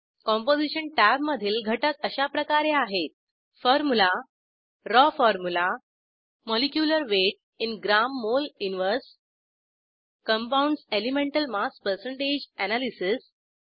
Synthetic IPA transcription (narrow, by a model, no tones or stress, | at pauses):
kɔ̃mpod͡ziɕəɳʈæbməd̪ʱiːlɡʱəʈəkəɕapɾəkaɾeaɦet̪̚ | fɔɾmula | ɾɔfɔɾmula | mɔlikjuləɾʋeʈ̚ | inɡɾamːoluniʋəɾs | kə̃mpauɳɖselimẽɳʈəlmaspəɾsəɳʈed͡ʑænalisis